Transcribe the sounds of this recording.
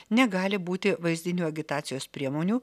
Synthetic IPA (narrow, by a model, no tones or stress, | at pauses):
nʲɛɡɑːlʲɪbuːt̪ʲɪʋɐɪzʲd̪ʲɪnʲuːɐɡʲɪt̪ɑːt̪sʲɪjoːspʲɾʲiɛmoːnʲuː